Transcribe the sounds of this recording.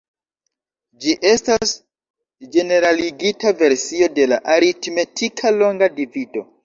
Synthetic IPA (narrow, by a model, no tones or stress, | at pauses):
d͡ʒiʔe̞stas | d͡ʒe̞ne̞ɾaliɡitave̞ɾsio̞dela̰ʔaɾitme̞tʰikʰalo̞ŋɡadivido̞